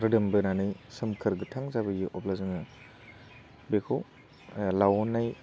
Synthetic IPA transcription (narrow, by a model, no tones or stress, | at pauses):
ɾɯdɯmbɯnanɯjsɐmkʰɯɾɡɯtʰaŋzabɯjiʔɔp̚lazɯnɯ | bekʰow | lawnːaj